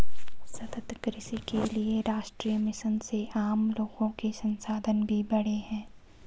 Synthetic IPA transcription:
sɐt̪ət̪kɾɪsikelieɾaːʃʈɾiːjəmɪʃənseʔaːmloːɡõkesɐ̃nsaːd̪ʱənbʱibɐɽ̤eɦɛ̃ː

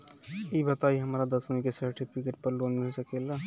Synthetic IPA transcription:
ibət̪aːiɦɐmaːɾad̪əsmõĩkesəɾʈipʰikəʈpəɾloːnmesəkeːla

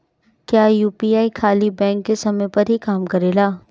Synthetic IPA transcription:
kjaːjuːpiːaːikʰaːlibɛ̃ːŋkːesɐməjpɐɾɦikaːmkɐɾeːlaː

